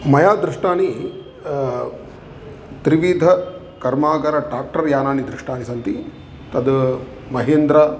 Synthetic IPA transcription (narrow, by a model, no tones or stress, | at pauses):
mɐjaːd̪ɾuʂʈaːni | t̪ɾiʋiːd̪ʱɐ | kɐɾmaːɡɐɾɐɖaːk̚ʈɐɾjaːnaːnid̪ɾiʂʈaːnisɐnt̪i | t̪ɐd̪ | mɐɦeːnd̪ɾa